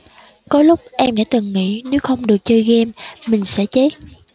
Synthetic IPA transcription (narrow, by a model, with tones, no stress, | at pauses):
kɔ˨˦lʊ˦˥k͡p̚ʔɛ˧mɗa̰ː˧˥t̪ɨ˨˩ŋːḭ˧˥ne˨˦wxə˧wŋ͡mɗɨ˨˩ək̚t͡ɕəː˧jɣɛ˧mːï˨˩ŋ̟sɛ̰˧˥t͡ɕe˦˥t̚